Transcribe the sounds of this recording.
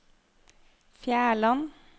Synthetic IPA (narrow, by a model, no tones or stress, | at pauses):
fjæːɭɑn